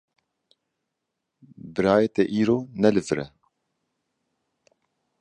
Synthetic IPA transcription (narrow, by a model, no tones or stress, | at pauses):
bɨɾaːjɛt̪eʔiːɾoːnɛlɨfɾɛ̰